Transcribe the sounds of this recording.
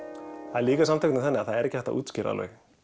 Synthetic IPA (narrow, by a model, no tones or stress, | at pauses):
aliːkasamt̪œjk̪nɪθɛnːɪaðθaðɛɾɛcɪ̥θɛht̪aʔṵːt̪scɪɾa̰lœ̰ːɣ